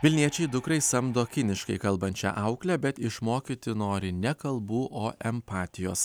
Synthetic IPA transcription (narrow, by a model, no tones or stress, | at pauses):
ʋʲɪlʲnʲiɛt͡ʃʲɛɪd̪ʊkɾɐɪsɐmd̪oːkʲɪnʲɪʃkɐɪkɐlˠbɐnʲt͡ʃʲɛ̰ʔɐʊklʲɛbʲɛt̪ɪʃmoːkʲit̪ʲɪnoːɾʲɪnʲɛkɐlˠbuːʔoːʔɛmpɑːt̪ʲɪjoːs